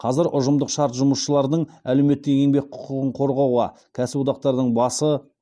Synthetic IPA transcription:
qʰɑzɪɾʔʊʒəmd̪əqʃɑɾt̪ʒʊməsʃəlˠɑɾd̪əɴælewme̞t̪ːeŋʲe̞ŋbe̞k̚qʰʊ̥qəʁəɴqʰo̞ɾʁɑwʁɑ | kʲʰæsɪbod̪ɑq̚t̪ɑɾd̪əɴbɑsə

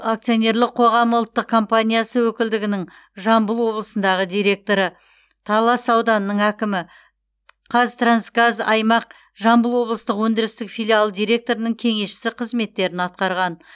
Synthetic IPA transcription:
ak̚t̪sijo̞nʲe̞ɾlˠɪqʰo̞ʁɑmʊlˠt̪ːəq̚kʰo̞mpanʲijasəwɵkʲɪld̪ɪɡʲɪnɪŋ | ʒɑmbəlˠwo̞blˠəsənd̪ɑʁəd̪ʲijɾe̞k̚t̪o̞ɾə | t̪ʰɑlˠɑsɑwd̪ɑnəːəɴækʲɪmɪ | qʰɑzt̪ransɡazɑ̰jmɑq̚ | ʒɑmbəlˠwo̞blˠəst̪əqwɵnd̪ɪɾɪst̪ɪkfʲijlʲialˠd̪ijɾʲe̞k̚t̪o̞ɾənəŋkʲʰe̞ŋe̞ʃɪ̥sɪqʰəzme̞t̪ːe̞ɾɪnɑt̪̚qɑɾʁɑn

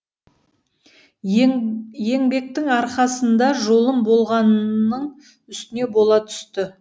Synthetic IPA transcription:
je̞ŋbe̞k̚t̪ɪŋɑɾqɑsənd̪ɑʒo̞lˠəmbo̞lˠʁɑnəɴ | ʏst̪ɪne̞bo̞lˠɑt̪ʰʏ̥st̪ɪ

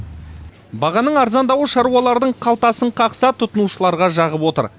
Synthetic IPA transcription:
bɑʁɑnəɴɑɾzɑnd̪ɑwəʃɑɾuwɑlˠɑɾd̪əɴqʰɑlˠt̪ɑsəɴqʰɑqsɑt̪ʰːʊt̪ənuʃəlˠɑɾʁɑʒɑʁəpwo̞t̪ə̰ɾ

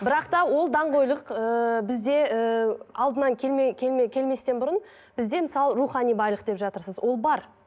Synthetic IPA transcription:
bɪɾɑqt̪ɑwo̞lˠd̪ɑɴʁo̞jlˠəqəbɪzd̪e̞əɑlˠd̪ənɑŋkʲʰeekʲʰelekʲʰe̞lme̞st̪e̞nbʊɾən | b̥ɪzd̪e̞mɪsɑlˠɾuχɑnijbɑjlˠəqd̪e̞pʒɑt̪əɾsəzwʔo̞lˠbɑɾ

